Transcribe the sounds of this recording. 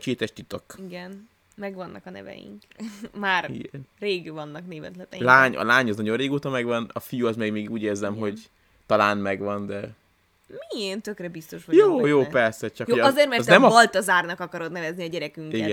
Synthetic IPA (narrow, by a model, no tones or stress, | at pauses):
t͡ʃeːt̪ɛʃt̪it̪okiɡɛn | mɛɡʋɒnːʔɒkɒnɛ̰vɛ̰jḭŋk | maːriɡɛnreːɡvɒnːɒkneːvɛ̰t̪lɛt̪ɛlaːɲɒ̰laːɲɒznɒɟoreːɡoːt̪ɒmɛɡʋɒnɒfijuɒzmeːɡmeːɡɡuːɟeːrzɛmɦo̞ɟ | t̪ɒlaːnmɛɡʋɒnd̪ɛ | mient̪økrɛbist̪o̞ʃojoːjoːpɛrsɛt͡ʃɒkjooɒzeːrtmɛrzt̪nɛmɒlt̪ɒzaːrnɒkɒkɒɾod̪nɛvɛzniɒɟɛɾɛkyŋkiɡɛ